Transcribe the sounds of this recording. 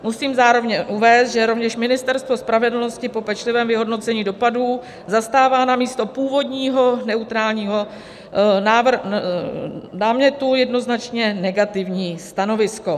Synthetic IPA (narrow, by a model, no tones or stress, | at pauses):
musiːmzaːɾo̞vɲɛʔuvɛːst̪ʒɛɾo̞vɲɛʃmɪnɪst̪ɛɾst̪vo̞spɾavɛdl̩no̞scɪpo̞pɛt͡ʃlɪvɛːmvɪɦo̞dno̞t͡sɛɲiːdo̞paduː | zast̪aːvaːnamiːst̪o̞puːvo̞dɲiːɦo̞nɛut̪ɾaːlɲiːɦo̞ | naːvr | daːmɲɛt̪ujɛdno̞znat͡ʃɲɛnɛɡat̪ɪvɲiːst̪ano̞vɪsko̞